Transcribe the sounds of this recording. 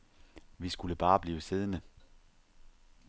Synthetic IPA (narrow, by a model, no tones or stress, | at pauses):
ʋisɡ̥uləb̥ɑ̈ːb̥liːʊəse̝ð̞ˠənə